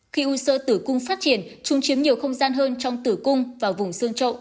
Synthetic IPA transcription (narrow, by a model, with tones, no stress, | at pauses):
xi˧ʔu˧sə̰ː˧t̪ɨ˧˩kʊ˧ŋ͡mfaː˦˥t̚t͡ɕi˧˩ənt͡ɕʊ˨˧˦ŋ͡mt͡ɕi˨˦mɲi˨˩əwxə˧wŋ͡mzaː˧nɦəː˧nt͡ɕɔ˧wŋ͡mt̪ɨ˧˩kʊ˧ŋ͡mvaː˨˩wvʊ˨˩ŋ͡msɨ˧əŋt͡ɕə̰˧˨ʔ